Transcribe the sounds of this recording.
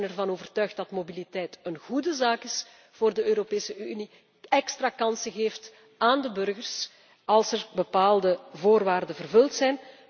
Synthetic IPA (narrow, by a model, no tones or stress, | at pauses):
nɛrvɑnoːvərtœɥxt̚dɑtmobilitɛjtənɣudəzaːkɪs | v̥oːrdəøːɾopeːsəʔyni | ɛkstraːkɑnsəɣeːft | aːndəbɵrɣərs | ɑlˠsɛrbəpaːlˠdəvoːrʋaːrdəvərvɵlˠtsɛjn